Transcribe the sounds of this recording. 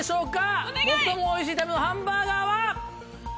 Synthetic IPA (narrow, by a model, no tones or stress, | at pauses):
ɕo̞ːkamokɯ̥t̪omoːiɕ̬iːt̪amenohãmbaːɡaβa